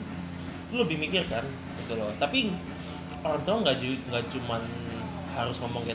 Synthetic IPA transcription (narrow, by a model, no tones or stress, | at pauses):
lləbɪhmikɪrkan | bit̪ulɔt̪api | oɾant̪ɔŋɡad͡ʒuŋɡat͡ʃuman | haɾʊsŋɔmɔŋe